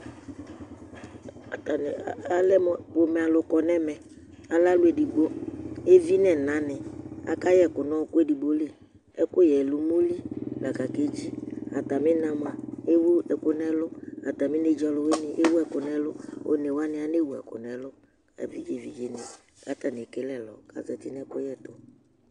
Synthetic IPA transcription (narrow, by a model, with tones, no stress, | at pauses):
a˨ta˨n˨˦a˦lɛ˦m˨bo˨mɛ˨a˨lʊ˨kɔ˨nɛ˦mɛ˨ | a˨la˦lʊ˦e˨di˨bo˦e˦vi˦nɛ˨nã˨nɪ˨a̰˨ka˦jɛ˨kʊ˨nɔ˦˨kʊ˦ɛ˦di˨bo˦le˨ | ɛ˦kʊ˦jɛ˨lʊ˦mo˦li˦la˨ka˨ke˦d͡ʒi˦a̰˨ta˨mɪ˦na˨m˨a˨e˦wʊ˦ɛ˨kʊ˦nɛ˦lʊ˦a˨ta˨mɪ˦ne˦d͡ʒa˨lʊ˨we˦nɪ˨ʔe˦wu˦ɛ˨kʊ˨nɛ˦lʊ˦o̰˦nɛ˨wa˦nɪ˨a˨ne˦˨wu˨ɛ̰˨kʊ̰˨nɛ˨lʊ˦ | ɛ̰˨vḭ˦ɡe˨vi˨ɡe˨nɪ˨ | ka˦ta˨n˨e˨ke˦lɛ˨lɔ̰˨ka̰˨zɛ˨ti˦nɛ˦kʊ̰˦jɛ˦tʊ˨